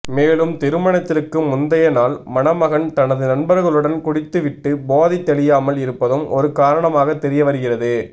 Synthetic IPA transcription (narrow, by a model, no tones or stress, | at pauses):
meːlɯmt̪ɪɾɯmɐɳɐt̪ːɪrkːɯmʊnd̪ɐjɐnaːlmɐnɐmɐɣɐnt̪ɐnɐðɯnɐnbɐɾɣɐɭɯɽɐnkʊɽɪt̪ːɯʋɪʈːɯboːðɪt̪ːɛɭɪjaːmɐlɪɾɯpːɐðɯmʔɔ̰ɾɯkaːɾɐɳɐmaːɣɐt̪ːɛɾɪjɐʋɐɾɯɣɪrɐðɯ